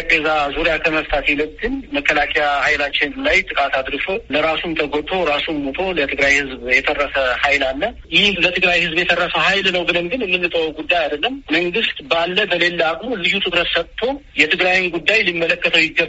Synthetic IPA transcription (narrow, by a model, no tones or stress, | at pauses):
ɡəzazuɾjakʰəməst̪ʰat̪ʰeləd̪ːɨnməkʰːəlakʼejahajlat͡ʃːɪnlajt̪ʼɨkʼat̪ʰad̪ɾɨʃo̞ləɾasumt̪ʰəɡot̪ʰo̞ɾasumːot̪ʰo̞lət̪ʰɨɡɾajhɨzbjɛt̪ʰərːəsəhajlalːə | jɪhhlət̪ʰɨɡɾajhɨzbjɛt̪ʰərːəsəhajlnəwbɨnəmɡɨnɨnːɨnːɨt̪ʼəwɡud̪ːajad̪əlːəmməŋɡɨst̪balːəbəle̞lːakʼmuzɨɦut̪ʰʼɨkɾət̪sət̪ʰːo̞jɛt̪ʰɨɡɾajnɡud̪ːajlimːələkːət̪ʰəwjɪɡːə